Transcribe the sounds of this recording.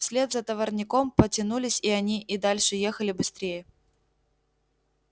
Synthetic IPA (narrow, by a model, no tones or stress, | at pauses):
fsʲlʲe̞d̪zət̪əvərnʲɪko̞mpətʲɪnulʲɪsʲiɐnʲiʔid̪alʲʂɨje̞xəlʲɪbɨst̪ɾʲejə